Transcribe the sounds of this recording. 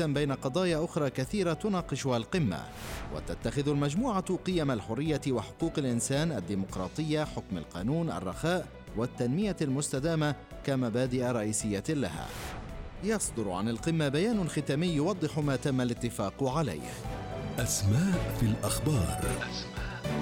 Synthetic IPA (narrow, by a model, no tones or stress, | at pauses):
ambajnaqɑd̪ˤɑːjaʔʊxɾˤɑːkaθiːɾat̪ʊnɑːqɨʃʊhalqɨmːa̰ | wʔa̰t̪at̪ːaxɪðʊlmad͡ʒmuːʕaqɨjamalħʊrːɪjːawaħʊ̥quːqalʔɪnsaːnʔad̪ːiːmʊqɾˤɑ̰ːt̪ˤɨjːaħʊkma̰lqɑ̰ːnuːnʔa̰rˤːɑxaːʔ | wat̪ːanmɪjalmʊst̪ad̪aːma | kamabaːd̪ɪʔaɾˤɑʔiːsɪjːala̰ha̰ː | jɑsˤd̪ʊɾʕanalqɨmːabajaːnʊxɪt̪aːmɪjːʊwɑd̪ˤːɨħʊmaːt̪amːalɪt̪ːɪfɑːqʊʕala̰jhʔasmaːʔfilʔaxbɑːɾˤ